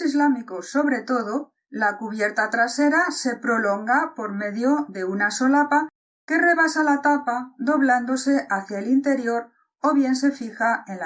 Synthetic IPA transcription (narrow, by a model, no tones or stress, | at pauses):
izlamikoso̞βɾe̞t̪o̞ð̞o̞ | lakuβ̞je̞ɾt̪at̪ɾase̞ɾase̞pɾo̞lo̞ŋɡapo̞ɾme̞ðjo̞ðe̞unaso̞lapa | ke̞re̞βasalat̪apaðo̞βland̪o̞se̞ʔaθjaelint̪e̞ɾjo̞ɾ | o̞β̞je̞nse̞fixaen